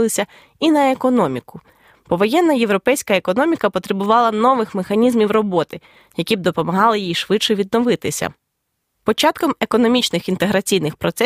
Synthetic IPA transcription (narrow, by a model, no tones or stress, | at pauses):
lˠɪsʲɐ | inɐekɔnɔmʲikʊ | pɔʋɔjɛnːɐje̞ʋɾɔpɛjsʲkɐekɔnɔmʲikɐpɔt̪ɾebʊʋɑlˠɐnɔʋɪxmexɐnʲizmʲiwrɔbɔt̪ɪ | jɐkʲib̚d̪ɔpɔmɐɦɑlˠɪjijʃʋɪt͡ʃːɛʋʲid̪nɔʋɪt̪ɪsʲɐ̰ | pɔt͡ʃɑt̪kɔme̞kɔnɔmʲit͡ʃnɪxint̪eɦɾɐt͡sʲijnɪxpɾɔt̪sɛ